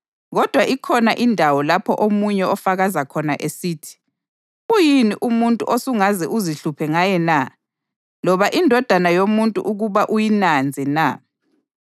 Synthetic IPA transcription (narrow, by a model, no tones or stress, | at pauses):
ɣɔd̥ʱwaʔikʰɔnaʔindʱawɔlapʰɔ̰ʔomuɲɛɔfaɣazakʰɔnaʔesiːtʰi̥ | ujiniʔumuntʼṵʔosuŋazɛʔuziɬupʰɛŋajɛna | lɔβaʔindʱɔd̥ʱanajomuntʼṵʔuɣuβaʔujinand͡zʱɛna